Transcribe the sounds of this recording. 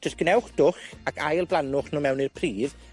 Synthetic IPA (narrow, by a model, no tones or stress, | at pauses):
d͡ʒ̥əsɡ̥nɛwχd̥ʊχakʰajlˠblˠanʊχnuːmɛwnirpʰriːv